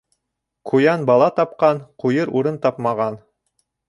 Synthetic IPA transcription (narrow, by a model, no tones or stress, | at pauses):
qʰujɑnbɑlˠɑt̪ɑp̚qɑnqujɤɾuɾɤnt̪ɑpmɑʁɑn